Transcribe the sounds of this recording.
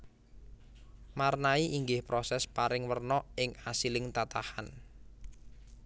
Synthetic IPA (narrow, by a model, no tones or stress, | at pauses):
marnaiʔiŋɡɪhpɾɔsɛspaɾɪŋwərnɔɪŋasilɪŋt̪at̪aha̰n